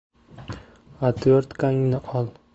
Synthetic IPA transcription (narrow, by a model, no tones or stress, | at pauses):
at̪ʰoɾt̪kʰaŋnɪʔɒlˠ